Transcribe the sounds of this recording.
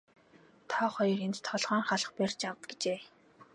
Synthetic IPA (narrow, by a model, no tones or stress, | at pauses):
t̪ʰɔːχɔjɞ̆rent̪t̪ʰɔɮʁaːŋχaɮə̆χperʲt͡ɕawt̪ɡ̥e̥t͡ɕeː